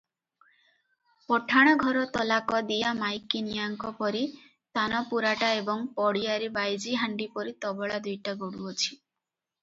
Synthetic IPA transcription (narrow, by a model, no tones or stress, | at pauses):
pɔʈʰaɽ̃ɔɡʱɔɾɔt̪ɔlakɔd̪ijamajkinijaŋkɔpɔɾi | t̪anɔpuɾaʈaebɔŋpɔɽiaɾibajd͡ʒiɦaɳɖipɔɾit̪ɔbɔɭad̪ujʈaɡɔɽuɔt͡ʃʰi̥